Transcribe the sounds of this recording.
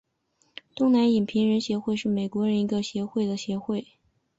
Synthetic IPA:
t̪ʊ˥ŋna˧˥ni˨˩npʰi˧˥ŋɻə˧˥nɕjɛ˧˥xwe˥˧ɪʂɻ̩˥˩me˨˩ɪkwɔ˧˥ɻə˧˥ni˧˥ɡə˧ɕjɛ˧˥xwe˥˩ɪd̪ə˩ɕjɛ˧˥xwe˥˩ɪ

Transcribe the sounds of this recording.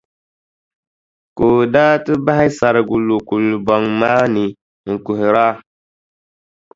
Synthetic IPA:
ko˨daː˦tɨ˦ba˦hi˦sa˨ɾɡu˨lo˨ku˨lbɔ˨ŋma˦ni˨ | ŋ̩˨ku˨hɾa˦

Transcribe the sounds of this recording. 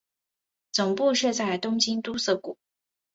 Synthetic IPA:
t͡sʊ˨˩ŋpu˥˧ʂɻ̩˥˧t͡sa˥˩ɪt̪ʊ˥ŋt͡ɕi˥nt̪u˥sɤ˥˩ku˨˩˦

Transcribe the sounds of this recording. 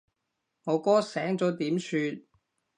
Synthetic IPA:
ŋɔː˨˧kɔː˥sɛː˨˥ŋt͡sɔː˨˥t̪iː˨˥msʰyː˧t̪̚

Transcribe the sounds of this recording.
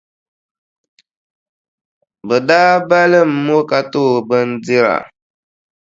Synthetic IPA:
bə˨daː˦ba˦lɨ˦m̩˦mo˦ka˨to˦˨bə˦n˦di˦ɾa̰˨

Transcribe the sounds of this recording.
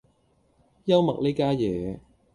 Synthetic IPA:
jɐ˥wmɐ˨k̚le˥kaː˥jɛː˨˦

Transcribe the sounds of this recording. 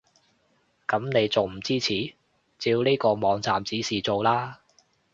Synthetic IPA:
kɐ˨˥mne˨˧jt͡so˨wm̩˨˩t͡siː˥t͡sʰiː˨˥ | t͡siː˧wniː˥jkɔː˧mɔː˨˧ŋt͡saː˨mt͡siː˨˥siː˨t͡so˨wlaː˥

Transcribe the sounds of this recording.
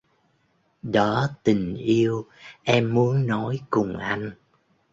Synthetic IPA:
ɗɔ˨˦t̪ï˨˩ŋ̟ʔi˧əwʔɛ˧mːu˨˦ənːɔ˨˦jkʊ˨˩ŋ͡mʔa˧jŋ̟

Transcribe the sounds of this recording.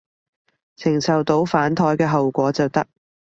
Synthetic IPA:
t͡sʰɪ˨˩ŋsɐ˨wt̪o˨˥wfaː˨˥nt̪ʰɔː˧jkɛː˧ɦɐ˨wkʷɔː˨˥t͡sɐ˨wt̪ɐ˥k̚

